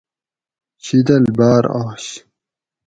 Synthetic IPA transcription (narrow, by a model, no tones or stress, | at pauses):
ɕid̪ɐlbaːɾaːɕ